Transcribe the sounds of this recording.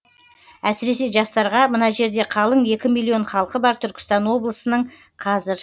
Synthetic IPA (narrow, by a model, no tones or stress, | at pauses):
æsɪɾe̞s̬e̞ʒɑst̪ɑɾʁɑmənɑʒe̞ɾd̪e̞qʰɑlˠəɴje̞kʲɪmilʲˠːio̞ɴχɑlˠqəbɑɾt̪ʰʏɾkʲɪ̥st̪ɑnwo̞blˠəsənəɴ | qʰɑzɪɾ